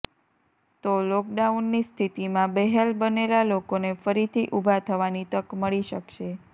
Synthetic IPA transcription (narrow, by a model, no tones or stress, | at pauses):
t̪olɔk̚ɖaunːist̪ʰit̪imãbɛɦelbənelalokonefəɾit̪ʰiʔubʱat̪ʰəʋanit̪əkməɭiʃəkʃe